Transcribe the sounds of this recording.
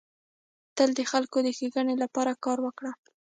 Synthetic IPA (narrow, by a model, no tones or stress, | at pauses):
t̪əld̪əxalkod̪əxeɡaɳelapɑɾakɑɾwəkɽa